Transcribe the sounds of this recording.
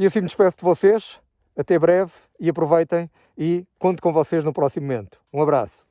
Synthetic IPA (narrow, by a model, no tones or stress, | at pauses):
iɐsĩmd̪iʃpɛsd̪vɔseʃ | ɐt̪ɛβɾɛv | iɐpɾuvɐjt̪ɐ̃j̃ | ikõnt̪ukõvɔseʒnupɾɔsimuumẽnt̪u̥ũɐβɾa̰su̥